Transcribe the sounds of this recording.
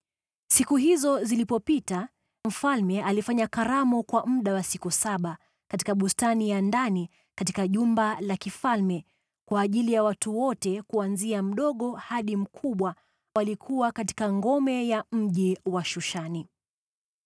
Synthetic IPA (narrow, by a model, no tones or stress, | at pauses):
sikuɦizɔzilipɔpita | m̩falmɛʔalifaɲakaɾamɔkwam̩ɗawasikusaɓa | kati̥kaɓustanijandani | katikaʄumbalakifalmɛ | kwaːʄilijawatuwɔtɛkuanziam̩ɗɔɠɔhaɗim̩kʰuɓwa | walikʰuwakati̥kaŋɡɔmɛjam̩ʄiwaʃuʃani